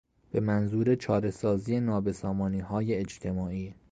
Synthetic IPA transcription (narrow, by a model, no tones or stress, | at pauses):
b̥e̞mænzuːɾet͡ʃʰɒːɾe̞sɒːziːenɒːbe̞sɒːmɒːniːɦɒːjeːd͡ʒt̪ʰe̞mɒːiː